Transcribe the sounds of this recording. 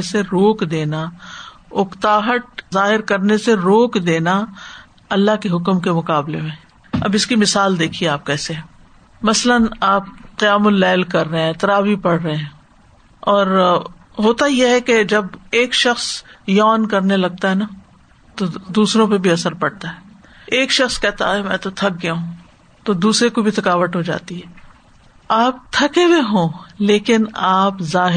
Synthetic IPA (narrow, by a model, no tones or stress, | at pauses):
seɾoːkd̪eːna | ʊkt̪aːɦəʈ̚zaːɦɪɾkɐɾneseɾoːkd̪eːna | ɐlːaɦkeɦʊkmkemʊqaːblemẽ | ɐ̰bɪskimɪsaːld̪eːkʰieaːp̚kɛːseɦɛː | mɐslənaːp̚qijaːmʊlːɛːlkɐɾːɐɦẽt̪ɐɾaːbʱipɐɽːəɦeɦɛ̃ː | ɔːɾ | ɦoːt̪ajeɦɛked͡ʒɐbeːkʃɐxsjɔːnkɐɾnelɐɡ̚t̪aɦɛna | t̪od̪uːsɾõpebʱiɐsəɾpɐɽt̪aɦɛː | eːkʃɐxskɛɦt̪a̰ɦɛmɛ̃ːt̪ot̪ʰɐk̚ɡjaɦũ | t̪od̪uːsɾekobʱit̪ʰɐkaːʋəʈ̪ɦod͡ʒa̰ːt̪iɦɛː | aːp̚t̪ʰɐkebeɦõːleːkɪnaːpzaːɦɪ